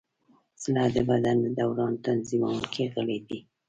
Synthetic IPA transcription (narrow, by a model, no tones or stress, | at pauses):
slɑd̪əbad̪anəd̪awɾɑnt̪anzimawəlkʰeɣəled̪i